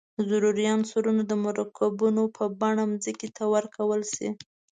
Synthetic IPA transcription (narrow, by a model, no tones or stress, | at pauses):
zʊɾuɾijɑnsoɾunad̪əmʊɾɑkabunopʰəbaɳamzəkit̪ʰawəɾkʰawəlsḭ